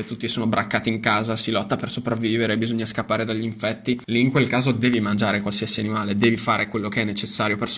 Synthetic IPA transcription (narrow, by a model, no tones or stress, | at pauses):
et̪ːut̪ːisoːnobɾakːaːt̪iiŋkaːzasilɔt̪ːapersopɾavːiːveɾeːbizoɲːaskapːaːɾed̪aʎːiɱfɛt̪ːiliːŋkwelkaːzod̪ɛːvimand͡ʒaːɾekwalsiasianimaːled̪ɛːvifaːɾekwelːokeɛnːet͡ʃesːaːɾjopers